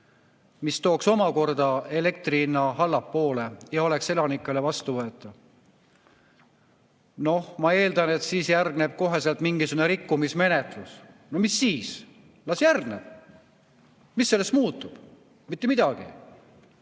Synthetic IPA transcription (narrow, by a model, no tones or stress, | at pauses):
mist̪o̞ːkso̞mɑko̞rd̪ɑe̞le̞k̚t̪riinːɑɦɑlːɑpːo̞ːle̞jɑo̞le̞kse̞lɑnikːˑele̞vɑst̪uvɤe̞t̪ːˑɑ | no̞hmɑe̞ːld̪ɑne̞t̪siːsjærɡne̞b̥̚ko̞ɦe̞selt̪miŋɡisuɡuneɾikːumisme̞ne̞t̪lusnomisːiːs | lɑsjærɡneb̥̚ | misːelːest̪muːt̪ːˑub̥ | mit̪ːemid̪̥ɑɡ̥ḭ